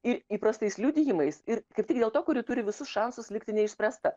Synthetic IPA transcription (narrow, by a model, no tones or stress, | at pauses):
ɪɾiːpɾɐst̪ɐɪslʲud̪ʲɪjɪmɐɪsɪɾkɐɪp̚ʲtʲɪkd̪ʲeːlˠt̪oːkʊɾʲɪt̪ʊɾʲɪʋʲɪsʊsʃɑnsʊslʲɪkt̪ʲɪnʲɛɪʃʲsʲpʲɾʲæst̪ɐ